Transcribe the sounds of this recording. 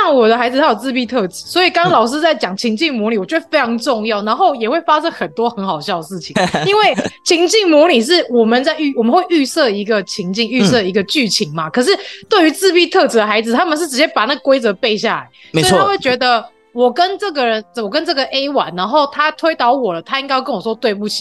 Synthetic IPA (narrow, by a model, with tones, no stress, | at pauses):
ɑ˥˩ŋwɔ˨˩d̪ə˦xa˧˥ɪd͡zɹ̩˧t̪ʰa˥jo˨˩t͡sɹ̩˥˧pi˥t̪ʰɤ˥˧˩t͡sɹ̩˨˩˦swɔ˧˥i˨˩kɑ˥ŋlɑ˨˩ʊʂ̬ɹ̩˥t͡sa˥˩ɪt͡ɕjɑ˨˩ŋt͡ɕʰi˧˥ŋt͡ɕi˥˩ŋmu˧˥li˨˩wɔ˨˩t͡ɕɥɛ˧˥ə˧fe˥ɪʈ͡ʂʰɑ˧˥ŋʈ͡ʂʊ˥˧ŋjɑ˥˩ʊna˧˥nxo˥˩ʊjɛ˨˩xwe˥˩ɪfa˥ʂə˥xə˨˩nt̪wɔ˥xə˧˥nxɑ˨˩ʊɕjɑ˥˩ʊdə˩ʂɻ̩˥˩t͡ɕʰi˨˩ŋi˥nwe˥˩ɪt͡ɕʰi˧˥ŋt͡ɕi˥˩ŋmu˧˥li˨˩ʂ̬ɻ̩˥˩wɔ˨˩mə˨˦nt͡sa˥˧ɪy˥˩wɔ˨˩mə˨˦nxwe˥˧ɪy˥˧sɤ˥˧i˧˥ɡə˨t͡ɕʰi˧˥ŋt͡ɕi˥˧ŋy˥˧sɤ˥˧˩i˧˥ɡə˧t͡ɕy˥˩t͡ɕʰi˧˥ŋma˦kʰɤ˨˩ʂ̬ɻ̩˥˩t̪we˥˩ɪy˧˥t͡sɹ̩˥˧pi˥˧t̪ʰɤ˥˧t͡s̩̪˨˩ə˩xa˧˥ɪd͡zɹ̩˨˩t̪ʰa˥mə˨nʂɻ̩˥˩ʈ͡ʂɻ̩˧˩t͡ɕjɛ˥pa˨˩na˥˩ɡə˩kwe˥ɪt͡sɤ˧˥pe˥˧ɪɕja˥˩la̰˧˥ɪswm˧˥i˨˩a˥we˥˩ɪt͡ɕɥɛ˧˥d̪ə˧ | wɔ˨˩kə˦nʈ͡ʂɤ˥˩ɡə˨˩ɻə˧˦nwɔ˨˩kə˦nʈ͡ʂɤ˥˩ɡə˨ʔe˥ɪwa̰˨˩˦nna˧˥nxo˥˩ʊt̪ʰa˥t̪ʰwe˥ɪt̪ɑ˧˥ʊwɔ˨˩lə˦t̪ʰa˥i˥ŋkɪ˥˧kə˥nwɔ˨˩ʂɔ˥˧t̪we˥˧ɪu˥˩t͡ɕʰi̥˨